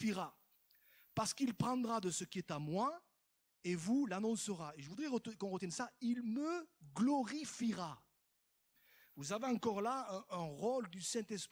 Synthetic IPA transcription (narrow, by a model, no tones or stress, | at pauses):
fiʁa | paʁsə̥kilpχɑ̃d̪ʁad̪əsəkʲiɛt̪amwa | evulanɔ̃səʁaeʒəvud̪ʁɛʁəkɔ̃ʁət̪jɛnsailməɡlɔʁifiʁa | vuzaveɑ̃kɔʁlaɛ̃ʔɛ̃ʁɔld̪ysɛ̃t̪ɛsp